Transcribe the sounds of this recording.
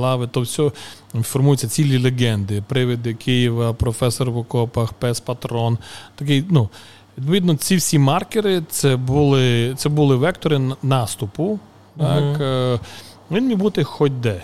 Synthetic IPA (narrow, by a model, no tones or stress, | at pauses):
ɑʋɪt̪ɔwsʲɔ | fɔrmujʊt͡sʲːɐt͡sʲilʲilʲeɡɛnd̪ɪpɾɪʋɪd̪ɪkɪjiʋɐpɾɔfɛsɔrʋʊkɔpɐxpɛspɐt̪ɾɔnt̪ɐk̬ɪjnu | ʋʲid̪̚p̬ɔʋʲid̪nɔt͡sʲiwsʲimɑrkɪɾɪt̪sɛbulˠɪt̪sɛbʊlˠɪʋɛkt̪ɔɾɪnɑst̪ʊpʊ | t̪ɑk | ʋʲinmʲijbut̪ɪxɔt̚ʲd̪ɛ